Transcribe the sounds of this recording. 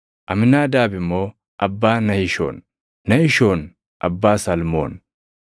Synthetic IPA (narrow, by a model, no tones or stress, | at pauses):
ʔɐmɪnːaːd̪aːbɪmːo̞ː | ʔɐbːaːnɐjɪʃo̰ːnː | ɐjɪʃoːn | ʔɐbːaːsɐlmo̰ːn